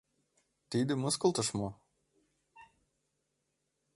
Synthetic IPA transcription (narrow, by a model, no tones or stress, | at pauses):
t̪id̪ɘ̆mɤskɤ̆lˠt̪ɤ̆ʃmo